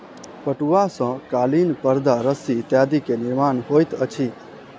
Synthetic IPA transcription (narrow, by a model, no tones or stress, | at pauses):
pəʈuʋasə̃kalinpəɾd̪ʱaɾəsit̪jad̪ikenɪɾmanɦojt̪ət͡ʃʰi